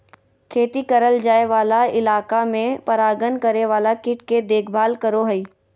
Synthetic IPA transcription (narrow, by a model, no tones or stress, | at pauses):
kʰeːt̪ikəɾəld͡ʒaːeʋaːlaɪlaːkamẽpɐɾaːɡənkəɾeʋaːlakɪʈked̪eːkʰbʱaːlkəɾoɦəiː